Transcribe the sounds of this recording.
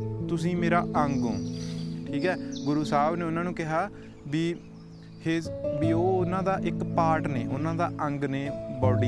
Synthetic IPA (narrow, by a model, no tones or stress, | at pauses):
t̪ʊsĩːmeːɾaːʔəŋɡõːʈʰiːkɛːɡʊɾuːsaːʋneːʊnãːnũːkɪɦaː | biː | hebiːoːʊnãːd̪aːʔɪkpaːʈneːʔʊnãːd̪aːʔəŋɡneːbɔːɖi